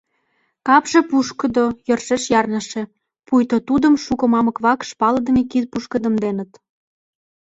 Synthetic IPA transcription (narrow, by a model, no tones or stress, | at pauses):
kɑpʒĕpuʃkə̆d̪ojɤrʃeʃjɑrnəʃĕ | pujt̪ot̪ud̪ə̆mʃukɤ̆mɑmə̆kβɑkʃpɑlə̆d̪ə̆mekid̪̚puʃkə̆d̪ə̆md̪enət̪